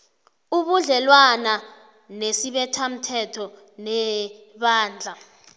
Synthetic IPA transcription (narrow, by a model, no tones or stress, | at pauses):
uɓuɮɛlwana | nesiɓɛtʰam̩tʰɛtʰɔ | nɛɓaːnd͡ɮʱa